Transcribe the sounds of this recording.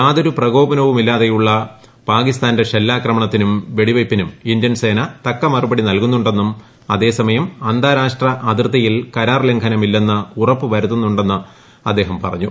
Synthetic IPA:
aːðoɾuprɐɡo̞ːbɐnɐʋumilːaːðejuɭːɐ | paːkist̪aːnde̞ɕelːaːkrɐmɐɳɐt̪ːinumʋe̞ɽiʋɐjpːinumind̪jɐnse̞ːnɐt̪ɐkːɐmɐrubɐɽinɐlkunːuɳɖe̞nːum | ɐðe̞ːsɐmɐjɐmɐnd̪aːɾaːʂʈrɐʔɐd̪rt̪ːɐjilkɐɾaːrleŋkʰɐnɐmilːenːɨurɐpːɨʋɐɾut̪ːunːuɳɖe̞nːɨ | ɐd̪ːe̞ːɦɐmpɐ̰rɐ̰ɲːu

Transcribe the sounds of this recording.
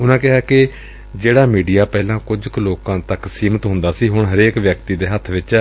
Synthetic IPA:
ʊnãːkɪɦaːkɪ | d͡ʒeːɽaːmiːɖijaːpɛːlãːkʊd͡ʒkloːkãːt̪əksiːmət̪ɦʊ̃nd̪aːsiːɦʊɳɦəɾeːkʋjək̚t̪iːd̪eːɦət̪ʰʋɪt͡ʃ

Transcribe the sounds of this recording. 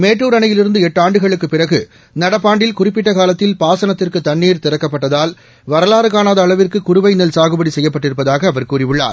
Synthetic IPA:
meːʈːuːɾɐɳɐjɪlɪɾɯnd̪ɯɛʈːaːɳɖɯɣɐɭɯkːɯpːɪrɐɣɯ | nɐɽɐpːaːɳɖɪlkʊrɪp̬ːɪʈːɐkaːlɐt̪ːɪlpaːsɐnɐt̪ːɪrkɯt̪ːɐɳːiːɾt̪ɪɾɐkːɐpːɐʈːɐðaːl | ʋɐɾɐlaːɾɯkaːnaːðɐːɭɐʋɪrkɯkʊɾʊʋɐɪnɐlsaːɣɯbɐɽisɛjːɐpːɐʈːɪɾɯpːɐðaːɣɐːʋɐɾkuːrɪʋɯɭːa̰ːɾ

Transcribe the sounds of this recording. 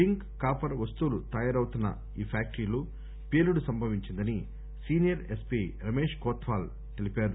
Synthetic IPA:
iŋk | kaːpɐɾʋɐst̪uːlut̪ɐjaːɾɐwt̪unːɐ̰ | iːpʰaːk̚ʈɾiːlu | peːluɽusɐmbʱɐʋiɲt͡ʃind̪ɐni | siːnijɐɾespiːɾɐme̞ːʂkɔːt̪ʋaːl | t̪elipaːɾu

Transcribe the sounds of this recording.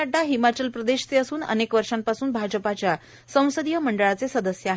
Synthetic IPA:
aɖaɦimat͡ɕəlpɾəd̪eɕt͡seəsuːnə̰nekʋəɾʂampasuːnbʱad͡ʑəpat͡ɕja | sə̃w̃səd̪ijəməɳɖəɭat͡sesəd̪əsjəaɦe

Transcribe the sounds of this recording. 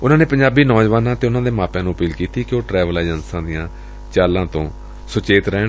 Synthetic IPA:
ʊnãːneːpəɲd͡ʒaːbiːnɔːd͡ʒʋaːnãːt̪eːʊnãːd̪eːmaːpjãːnũːəpiːlkiːt̪iːkɪoːʈɾɛːʋəlaːd͡ʒənsãːd̪ɪjãː | t͡ʃaːlãːt̪õː | sʊt͡ʃeːt̪ɾɛː

